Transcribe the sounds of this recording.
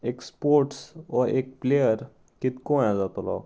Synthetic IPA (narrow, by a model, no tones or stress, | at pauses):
ekspoɾʈsʋɔʔek̚plejəɾ | kit̪koj̃ãd͡zat̪olɔ̰